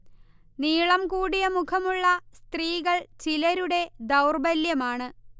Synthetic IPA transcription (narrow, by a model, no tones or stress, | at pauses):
niːɭɐmkuːɽijɐmukʰɐmuɭːɐst̪riːɣɐɭt͡ɕilɐɾuɽe̞d̪ɐwrbɐljɐmaːɳɨ